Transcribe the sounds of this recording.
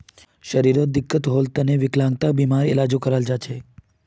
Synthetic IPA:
ʃəɾiɾod̪ɪkːət̪ɦolt̪əneʋɪklãŋɡt̪abimaɾielad͡ʒokəɾald͡ʒat͡ʃʰe

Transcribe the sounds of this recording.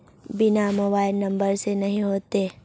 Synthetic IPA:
bɪnamoːbaːɪlːɐ̃mbəɾsenɐɦĩɦoːt̪eː

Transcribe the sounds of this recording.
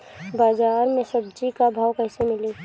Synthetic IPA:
baːzaːɾmẽsəb̚d͡ʒikabʱaːwkəɪsemɪle

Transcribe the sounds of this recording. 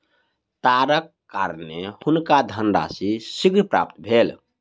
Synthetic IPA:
t̪aɾəkːaɾnehunkad̪ʱənɖa̰sisiɡnpɾa̰p̚t̪bʱel

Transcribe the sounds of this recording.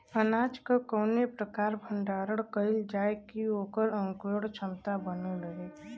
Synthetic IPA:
ənaːt͡ʃkakəːnepɾəkaːɾbʱə̃ɳɖaːɾəɽkəɪld͡ʒaːekioːkəɾə̃ŋkoɽt͡ʃʰəmt̪abənoɾəɦeː

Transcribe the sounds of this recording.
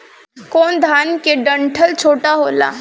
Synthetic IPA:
kond̪ʱankeɖəɳʈʰəlt͡ɕʰoʈaɦola̰

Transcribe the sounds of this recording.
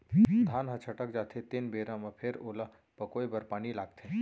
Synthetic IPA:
d̪ʱaːnɦɐt͡ʃʰəʈəkd͡ʒaːt̪ʰet̪ɪnbeːɾãmãpʰɪɾoːla | pɐkoːebəɾpaːnilaːɡ̚t̪ʰẽː

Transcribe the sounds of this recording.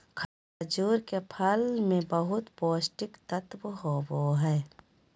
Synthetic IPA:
kʰa | d͡ʒuːɾkepʰəlmẽbəɦʊt̪poːsʈɪkt̪ət̪wɦoːboɦɛː

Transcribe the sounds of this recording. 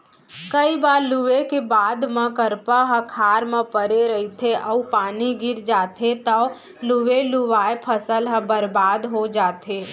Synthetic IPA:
kəibaːɾluʋekebaːd̪mə̃kəɾpaɦə̃kʰaːɾmə̃pəɾeɾəit̪ʰeʔəupaːniɡɪɾd͡ʒaːt̪ʰet̪ə | luʋeluʋaːepʰəsəlɦə̃bəɾbaːd̪ɦod͡ʒaːt̪ʰe

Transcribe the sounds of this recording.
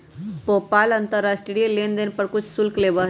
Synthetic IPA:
popalənt̪əɾːasʈɾɾielend̪ənpəɾkut͡ʃʰsulklebə

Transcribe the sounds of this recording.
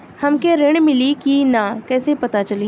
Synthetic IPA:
hɐmkeɾɪɽ̃mɪlikinakɛːsepɐt̪at͡ʃɐli

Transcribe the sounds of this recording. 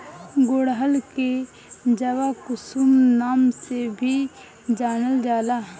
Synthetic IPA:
ɡoɽɦəlke | d͡ʒəʋakʊsumnaːmsebʱi | d͡ʒaːnəld͡ʒaːlaː

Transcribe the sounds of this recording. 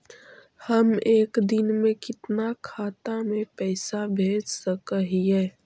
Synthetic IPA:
həmeːkd̪ɪnmẽkɪt̪nakʰaːt̪amẽpɛːsabʱeːd͡ʒsəkəɦiɦɛː

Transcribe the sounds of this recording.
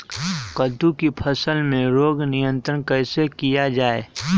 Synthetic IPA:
kəd̪ukipʰəsəlmẽɾoːɡnɪjə̃nt̪ɾənkəɪsekijad͡ʒaːe

